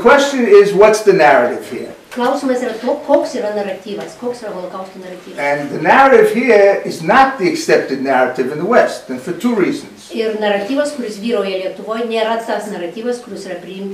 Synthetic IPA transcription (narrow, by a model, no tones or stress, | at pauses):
kʰw̥ɛst͡ʃɨ̃nɪzwʌtsðɨnæɹɨɾɪv̥hḭɹ | klˠɐʊsʲiːmɐsiɾɐt̪oːkoːksiːɾɐnɐɾɐt̪ʲiːʋɐskoːksiːɾɐbɐlˠokɐʊsʲkʲinɐɾɐt̪ʲiːʋɐɨ̃nðɨnæɹɨɾɨv̥hiɹɪznət̪̚ðiɨksɛp̚tɨdⁿnæɹɨɾɨvɨ̃nðəwɛstɨ̃nfə˞tʰuɹiːz̃n̩z̥ɪrnɐrɐt̪ʲiːʋɐskʊɾʲɪsʋʲiːɾoːjɛlʲiɛt̪ʊʋoːjnʲeːɾɐt̪ɐsnɐɾɐt̪ʲiːʋɐskʊɾʲɪsiːɾɐpʲɾʲɪɪmʲ